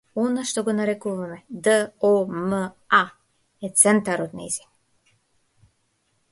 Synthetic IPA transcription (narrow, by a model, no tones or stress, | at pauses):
ɔnaʃt̪ɔɡɔnaɾɛkuvamɛd̪əɔmə | a | ɛt̪sɛnt̪aɾɔt̪naḭzi̥